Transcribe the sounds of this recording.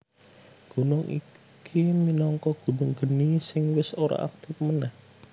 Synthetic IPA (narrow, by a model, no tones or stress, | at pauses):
ɡ̥o̤nʊŋḭ | kʰiminɔŋkɔɡ̥o̤nʊŋɡ̥ə̤nisɪŋwɪsoɾa̰ʔa̰k̚t̪ɪfmənɛh